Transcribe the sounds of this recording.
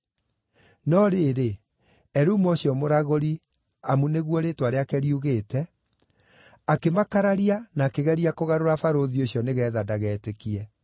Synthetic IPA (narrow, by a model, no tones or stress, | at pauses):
nɔɾeːɾe | ɛɾuːmɔɕjɔmoɾaɣoɾi | amuneɣwɔɾetwaɾeakɛɾiuɣeːtɛ | akemakaɾaɾianaːkeɣɛɾiakoɣaɾoɾafaɾoðioɕijɔneɣɛːðadaɣɛːtekiɛ